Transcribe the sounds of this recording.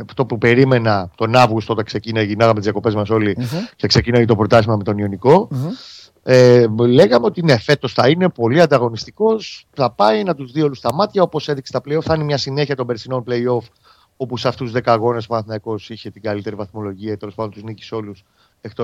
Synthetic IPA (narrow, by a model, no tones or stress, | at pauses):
ft̪o̞pupe̞ɾime̞nɐt̪o̞nɐvɣust̪ot̪ekse̞cinɐʝinɐɣɐmet̪izʝɐko̞pe̞zmɐso̞licekse̞cinojit̪o̞pɾo̞t̪ɐsimɐme̞t̪o̞nio̞niko̞ | ele̞ɣɐmeo̞t̪ine̞fe̞t̪o̞sθɐine̞po̞liɐnd̪ɐɣo̞nist̪iko̞s | θɐpɐinɐt̪uzðio̞lust̪ɐmɐt̪çɐo̞po̞seðiksest̪ɐpleio̞fθɐnimɲɐsine̞çɐt̪ombesino̞nple̞io̞f | o̞puseɐft̪uuzðe̞kɐɣo̞ne̞spɐnθinɐiko̞siçe̞t̪iɡɐlit̪e̞ɾivɐθmo̞lo̞ʝiɐket̪elospɐnd̪ont̪uznici̥so̞lus | ekt̪o